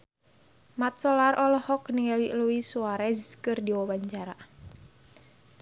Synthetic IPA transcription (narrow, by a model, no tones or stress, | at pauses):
mat̪̚sɔlarʔɔlɔhɔkniŋaliʔluisuaɾɛzkɨrdiwɔwaɲt͡ʃaɾa